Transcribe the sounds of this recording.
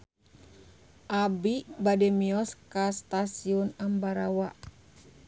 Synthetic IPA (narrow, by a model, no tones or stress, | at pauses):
ʔabibadɛmiɔskast̪asiɔnambaɾawa